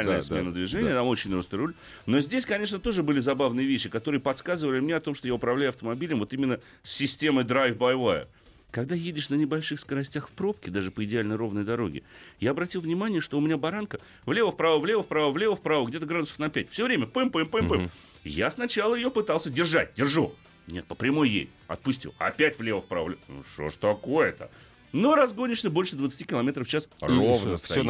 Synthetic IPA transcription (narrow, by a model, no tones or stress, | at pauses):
lʲəjəsmmenəd̪vʲɪʐɛnɪət̪amo̞t͡ɕːɪnʲɾost̪əɾulʲ | no̞zʲdʲesʲkɐnʲe̞ʂnət̪o̞ʐɨbɨlʲɪzɐbavnɨjəvʲeɕːɪkɐt̪o̞ɾɨjəpɐt̪skazɨvəlʲɪmnʲeɐt̪o̞mʂt̪ojaʊpɾɐvlʲæjʊɐft̪əmɐbʲilʲəmvo̞t̪imʲɪnːə | sʲːɪsʲtʲe̞məjd̪ɾajfbɐjvaə̰ | kɐɡd̪ajedʲɪʂnənʲɪbɐlʲʂɨxskəɾɐsʲtʲaxfpɾo̞p̚kʲɪd̪aʐɨpəɪdʲɪalʲnəjɾo̞vnəjd̪ɐɾo̞̰ɡʲɪ̰jaɐbɾɐtʲilˠvnʲɪmanʲɪjəʂt̪oʊmʲɪnʲabɐɾankə | vlʲe̞vəfpɾavəvlʲe̞vəfpɾavəvlʲe̞vəfpɾavəɡdʲe̞t̪əɡɾad̪ʊsə̥fnɐpʲætʲfsʲovɾʲemʲəpɨmpɨmpɨmpɛm | jasnɐt͡ɕalˠəjɪjopɨt̪alˠsʲədʲɪrʐat̚ʲdʲɪrʐu | nʲe̞̰t̪̚pə̥pɾʲɪmojjḛsʲtʲɐ̰t̪̚pʊsʲtʲḭɐ̰pʲætʲvlʲe̞vəfpɾa̰vəvlʲnṵʂo̰ʐt̪ɐko̞jət̪ə̰ | noɾɐzɡo̞nʲɪʂnəbo̞lʲʂɨd̪vət̪sɨ̥tʲikʲɪlˠɐmʲet̪ɾəft͡ɕasrovnəst̪ɐ